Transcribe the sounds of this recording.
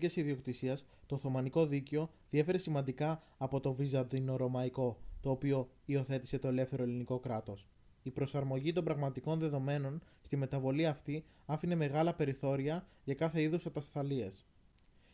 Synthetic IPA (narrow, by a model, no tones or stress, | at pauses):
esiðio̞kt̪isiɐs | t̪oθo̞mɐniko̞ðiceo̞ | ðie̞fe̞ɾe̞simɐnd̪ikɐː | po̞t̪o̞vizɐd̪ino̞ɾo̞mɐiko̞t̪o̞ːpio̞io̞θe̞t̪ise̞t̪o̞ele̞fθe̞ɾo̞eliniko̞kɾɐt̪o̞s | ipɾo̞sɐɾmo̞ʝit̪̬o̞mbɾɐɣmɐt̪iko̞nðe̞ðo̞me̞no̞nst̪ime̞t̪ɐvo̞liɐft̪i | ɐfine̞me̞ɣɐlɐpe̞ɾiθo̞ɾiɐ | ʝɐkɐθe̞iðusɐt̪ɐst̪ɐlie̞s